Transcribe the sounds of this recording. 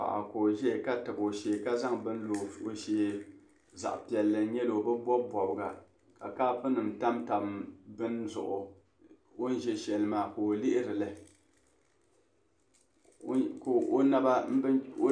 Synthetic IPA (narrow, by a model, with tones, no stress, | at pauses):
a̰˨ʔa̰˨koː˨ʒɛ˦˨ka˦tɨ˨bo˨ʃeː˨ka˦za˦ŋbɨ˦n˦lo˨o˨ʃeː˨ | za̰˨ʔpi˨ɛ˨lːɨ˨˦ɲɛ˦lo˨bɨ˦bɔ˦bɔ˨bɨ˨ɡa̰˨ | ka̰˨kaː˦fɨ˦nɨ˨mta˦mta˨bmbɨ˦nzʊ̰˨ʔʊ˨ | o˦n˦ʒɛ˨ʃɛ˨lɨ˨maː˨ko˨lɪ˦ʔɪ˦ɾɨ˨lɨ˦ | ko˨ʔo˦na˦ba˦m̩˦o˦